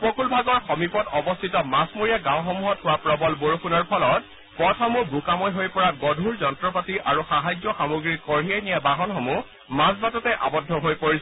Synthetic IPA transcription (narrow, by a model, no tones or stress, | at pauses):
pɹokʰulbʱaɡɔɹxɔmipɔtɔbɔstʰitɔmasmoɹijaɡãw̃xɔmuɦɔthʊwapɹɔbɔlboɹokʰunɔɹpʰɔlɔt̚ | pɔtʰɔmuɡʱukamɔjɦojpɔɹaɡɔdʱuɹzɔnɔtɹɔpatiʔaɹuxaɦajzɔxamuɡɹiɹkɔɹɦijɛnijabaɦɔnxɔmu | masbatɔtɛʔa̰bɔdʱːɔɦojpoɹisɔ